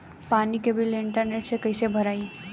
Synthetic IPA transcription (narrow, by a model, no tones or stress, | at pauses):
paːnikebʱɪlɪ̃ɳʈəɾneːʈsekəɪsebʱɐɾaːi